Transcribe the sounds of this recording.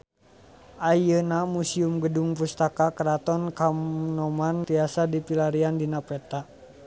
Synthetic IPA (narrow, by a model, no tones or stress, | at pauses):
ʔajənamusiumɡəduŋpust̪akakəɾat̪ɔnkamnɔmant̪iasadipilaɾiandinapɾɛt̪a